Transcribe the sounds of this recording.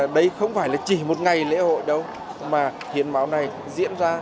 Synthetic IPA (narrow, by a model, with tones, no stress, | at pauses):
ɗə˧jxə˧wŋ͡mfaː˧˩jlaː˨˩t͡ɕi˧˩mo˨˩t̚ŋa˨˩jlḛ˧˥ho̰˧˨jɗə˧w | maː˨˩ | hi˨˦ənmaː˨˦wna˨˩j | zḭ˧˥ənzaː˧